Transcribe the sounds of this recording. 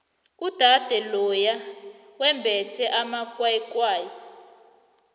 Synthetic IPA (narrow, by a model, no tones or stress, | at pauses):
ud̥ʱad̥ʱɛlɔjawɛmbʱɛtʰɛʔamakwaikwaːjɔ